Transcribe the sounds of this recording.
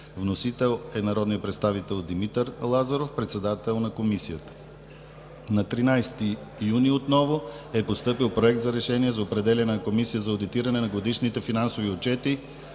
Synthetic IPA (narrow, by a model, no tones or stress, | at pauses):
vnosit̪ɛlˠɛnɐɾɔd̪nijəpɾɛt̪st̪avit̪ɛlˠd̪imit̪əɾlˠazɐɾofpɾɛt̪sɛd̪at̪ɛlˠnɐkomisijət̪ə̥ | nɐt̪ɾinajst̪i | juniot̪nɔvoɛpost̪ɤpilˠpɾoɛk̚t̪zɐɾɛʃɛniɛzɐopɾɛd̪ɛlʲɐnɛnɐkomisijəzɐod̪it̪iɾɐnɛnɐɡod̪iʃnit̪ɛfinansoviot͡ʃɛt̪i